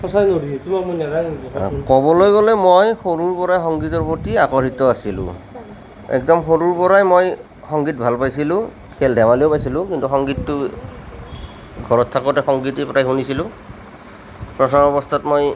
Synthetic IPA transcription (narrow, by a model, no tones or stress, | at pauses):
pɔsanoɾisɛtumakmunadankɔkɔbɔlojɡɔlɛmojxoɹuɹpɔɹajxɔŋɡitɔɹpotiakɔɹitɔasilʊ̰̃ | ɛ̰kdɔmxoɹuɹpɔɹajmoj | xɔŋɡit̚bʱalpajsilʊ̃ | kʰɛldʱɛmalijopajsilʊ̃kintuxɔŋɡitːʊ | ɡʱɔɹɔtʰːakɔtɛxɔŋɡitipɔɾajɦunisilʊ̃ | pɹɔsɔŋɔbɔst̪ʰatmoj